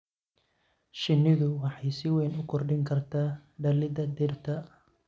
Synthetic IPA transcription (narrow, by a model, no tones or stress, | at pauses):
ʃɪnːɪðʊwɑħɑjsɪwɛnʊkʰɔrɖɪŋkʰɐrt̪ʰaːɖɐlɪd̪ɐd̪ɪrt̪ʰɐ